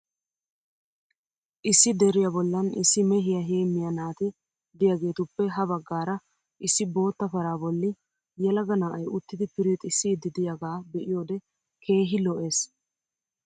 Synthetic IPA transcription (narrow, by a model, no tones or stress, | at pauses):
ʔɪsːɪd̪ɛɾɪjɐbɔlːɐnɪ̰sːɪmɛɦɪjɐɦeːmːɪjɐnaːt̪ɪ | d̪ɪjaɡe̞ːt̪ʊpːɛɦɐβɐɡːaːɾɐ | ʔɪsːɪbo̞ːt̪ːɐfɐɾaːbɔlːɪ | jɛlɐɡɐnaːʔɐjʊt̪ːɪd̪ɪpɪɾɪt̪ʼɪsːɪd̪ːɪd̪ɪjaɡaːbɛʔɪjo̞ːd̪ɛ | kʰe̞ːɦɪlɔʔe̞ːs